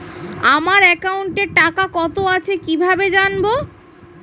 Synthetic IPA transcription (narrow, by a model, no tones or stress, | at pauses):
amaɾɛkauɳʈeɾʈakakɔt̪oat͡ɕʰekibʱabed͡ʑanbo